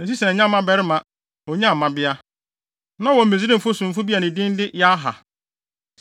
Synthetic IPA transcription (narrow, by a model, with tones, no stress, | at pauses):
ẽ˨s̬i˦sɛ̃˨˦ɲã˦˨mːã˦bɛ˨ɾɪ˦mã˨ | ɔ˨ɲã˦˨mã˦bɪ˦a˦ | nã˦wɔ̃˨m̩˨me˨zi˦ɾɪ̃˦m̩˨fʊ˦sũ˨m̩˨fʊ˦bi˦a˨nɪ̃˨dɪ̃˦n˦dɪ˦jɛ˦a˦ɦa˨